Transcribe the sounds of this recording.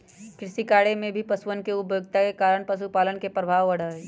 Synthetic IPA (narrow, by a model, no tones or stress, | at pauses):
kɾɪʃikaːɽemẽbʱipɐsʋənkeʊpjoɡt̪akekaːɾəɽ̃pɐʃ̬upaːlənkepɾɐbʱaːʋɐɽ̤aɦeː